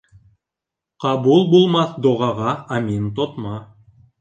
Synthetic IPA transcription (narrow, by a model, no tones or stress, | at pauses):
qɑbulˠbulˠmɑθd̪oʁɑʁɑamʲint̪ot̪mɑ